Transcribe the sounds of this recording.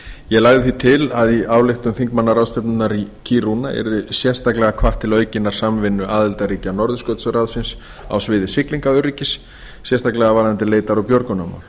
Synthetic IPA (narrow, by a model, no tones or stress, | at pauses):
jɛɣlaɣðɪθit̪ʰɪlaðiaːwlɪxt̪ʏmθiŋkmanːaɾrawst̪ɛpnʏnːaɾicʰiɾuna̰ʔɛ̰ɾðɪsjɛ̥st̪aklɛɣakʰvaht̪ʰːɪlœːɥcɪnːaɾ̥samvɪnːʏʔaːðɪlt̪aɾiːcanɔɾðʏskœt̪srawðsɪns | a̰wsvɪːðɪsɪkliŋkaʏɾriːcɪsː | jɛst̪aklɛɣavaːɾant̪ɪleːjt̪aɾawpjɔɾkʏnama̰wl̥